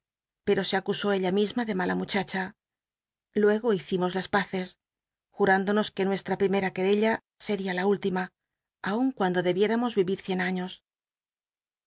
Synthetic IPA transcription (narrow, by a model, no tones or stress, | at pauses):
pe̞ɾo̞se̞akuso̞eʎamizmaðe̞malamut͡ʃat͡ʃa | lwe̞ɣ̞o̞iθimo̞zlaspaθe̞s | xuɾand̪o̞no̞ske̞nwe̞st̪ɾapɾime̞ɾake̞ɾe̞ʎa | se̞ɾialault̪ima | auŋkwand̪o̞ðe̞βje̞ɾamo̞zβiβiɾθje̞naɲo̞s